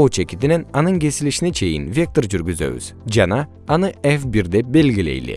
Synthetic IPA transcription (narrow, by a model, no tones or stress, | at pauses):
ot͡ʃʰekʲit̪inɛnanɯnkʲe̞silʲiʃinɛt͡ʃʰe̞jḭnvʲek̚t̪oɾd͡ʒyɾɡʲyzø̰βy̰z̥d͡ʒana | anɯɛfbiɾd̪ɛbelʲɡʲilʲe̞̰jlḭ